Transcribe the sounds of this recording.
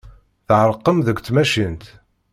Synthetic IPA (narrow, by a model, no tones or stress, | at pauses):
θʕəɾˤqːəmðəɡʷt͡sːmæʃint̪